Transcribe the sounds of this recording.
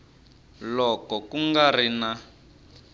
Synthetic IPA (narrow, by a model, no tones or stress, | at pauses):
lɔkɔkuŋɡarina